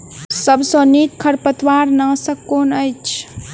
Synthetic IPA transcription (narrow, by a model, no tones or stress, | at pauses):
səbsõnik̪kʰəɾpət̪waɾnəsəkonəjt͡ʃʰ